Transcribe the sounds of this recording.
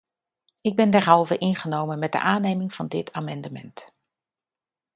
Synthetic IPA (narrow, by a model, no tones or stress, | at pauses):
ɪɡ̚bɛndɛɹɦɑlˠvəʔɪnχənowmənmɛt̚də̰ʔaːnejmɪŋv̥ɑndɪtʰaːmɑndəmɛ̰nt